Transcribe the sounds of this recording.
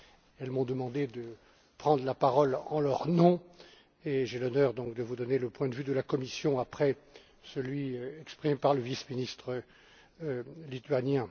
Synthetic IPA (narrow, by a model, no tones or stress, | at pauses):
ɛlmɔ̃d̪əmɑ̃d̪ed̪ə | pχɑ̃d̪ʁlapaʁɔlɑ̃lœʁnɔ̃ | eʒelɔnœʁd̪ɔ̃kd̪əvud̪ɔneləpwɛ̃d̪əvyd̪əlakɔmisjɔ̃apχɛ | səlɥiɛkspχimepaʁləvisminist̪χə | lit̪ɥanjɛ̃